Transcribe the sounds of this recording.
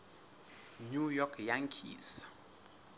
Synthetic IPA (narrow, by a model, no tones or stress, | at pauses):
nujɔkʰjaŋkʰḭs